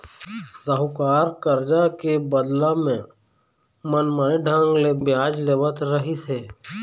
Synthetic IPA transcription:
zəɦʊkaːɾkəɾd͡ʒakebəd̪lamẽ | mənməneɖʱə̃ŋɡlebjaːd͡ʒleːʋət̪ɾəɦiseː

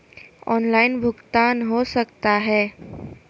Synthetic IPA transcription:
ɔnlainbʱuɡt̪anɦosəkt̪aɦɛ

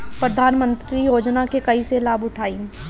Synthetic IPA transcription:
pɾɐd̪ʱaːnmə̃nt̪ɾijoːd͡ʒnakekɐiselaːbʊʈʰaːĩ

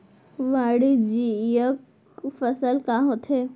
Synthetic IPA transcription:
ʋaːɽid͡ʑijək | fɐsəlkaɦot̪ʰeː

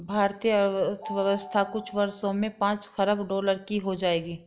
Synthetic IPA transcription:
bʱaːɾt̪ijət̪ʰʋjəʋəst̪ʰakʊt͡ʃʰʋɐɾsõmẽpãːt͡ʃxɐɾəbɖɔːləɾkiɦod͡ʒaːeːɡiː

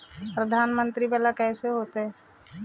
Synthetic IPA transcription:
pɾəd̪ʱaːnmə̃nt̪ɾibaːlakɛːseɦoːt̪eɦɛ

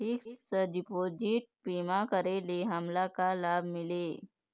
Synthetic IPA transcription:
iːkiːksəɖipoːd͡ʒiʈ̚piːmakəɾeːleɦɐmlakalaːbmɪleː

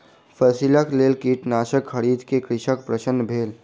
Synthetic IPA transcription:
pʰəsiləkleːlkiːʈnaːʃəkʰːəɽiːd̪kekɾɪʃək̚pɾəsənːbʱeːl

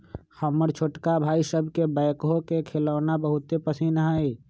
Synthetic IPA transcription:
xʰəməɾt͡ʃʰoːʈkabʱaːisəbʱkebaɪkɦokekʰeləːnabəɦʊt̪epəsinɦəi

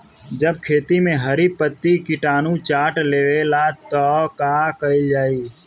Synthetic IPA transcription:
d͡ʒəb̚kʰeːt̪imẽɦəɾipət̪ːikɪʈaːnũt͡ʃaːʈleːʋelat̪ɔkaːkəid͡ʒaːiː

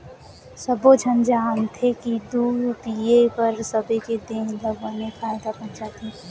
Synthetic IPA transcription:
səbod͡ʒʱənd͡ʒaːnt̪ʰekid̪uːpiepəɾsəbeked̪eləɡənepʰaːjd̪abənt͡ʃat̪ʰĩ

